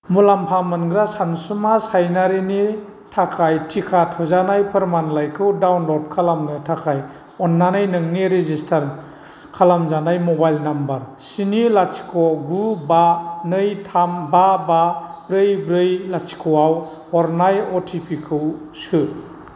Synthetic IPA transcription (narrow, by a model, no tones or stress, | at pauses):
mulampʰamɯnɡɾasansumasajnaɾini | tʰakʰajtʰikʰatʰɔzanajpʰɯɾmanlajkʰɯwdawnlɔdkʰalamnɯtʰakʰaj | ɔnːanajnɯŋniɾezistʰaɾ | kʰalamzanajmɔbajlnambaɾsinilat͡ʃi̥kʰɔɡubanɯjtʰambababɾɯjbɾɯjlat͡ʃi̥kʰɯwaw | hɔɾnajɔtʰipʰikʰɯwsɯ